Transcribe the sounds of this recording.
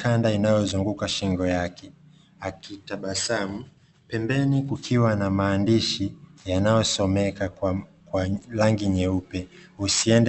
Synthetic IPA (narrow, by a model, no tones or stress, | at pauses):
kandainajɔzuŋɡukaʃiŋɡɔjakʰɛ | akitaɓasamu | pɛmbɛnikukʰiwanamaːndiʃijanajɔsɔmɛka | kwalaŋɡiɲɛupɛusiɛnd